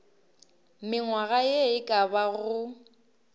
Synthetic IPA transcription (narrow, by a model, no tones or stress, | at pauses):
mɪŋwaɣajeɪkʼabaɣʊ